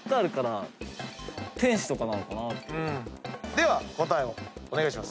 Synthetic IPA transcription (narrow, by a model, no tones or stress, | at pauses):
k̪aaɾɯ̟kaɾa | t̪ẽ̞ɰ̃ɕi̥t̪o̞kananokanat̪ɯ̃d̪e̞βako̞t̪aeoone̞ɡaiɕ̬imas